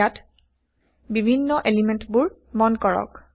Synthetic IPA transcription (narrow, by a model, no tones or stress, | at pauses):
at | bibʱinːɔʔelimɛntbuɹ | mɔnkɔɹɔ̰k